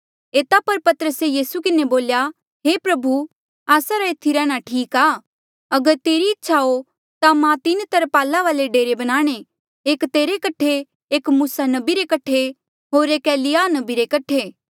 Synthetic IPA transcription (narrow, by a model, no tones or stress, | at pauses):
eːt̪apɐɾpɐt̪əɾəsejiːsukɪneboːlja | ɦeːpɾɐbʱu | aːsaɾaɪt̪ʰːiɾɛ̃ːɽ̃aʈʰiːkaː | ɐɡəɾt̪eːɾiɪtːʃʰao | t̪amãt̪ɪnt̪ɐɾpaːlaʋaːleɖeːɾebɐɽ̃ãːɽ̃e | eːkt̪eːɾekɐʈʰe | eːkmuːsanɐbiɾekɐʈʰːe | ɦoːɾeːkɛːlɪjaːnɐbiɾekɐʈʰeː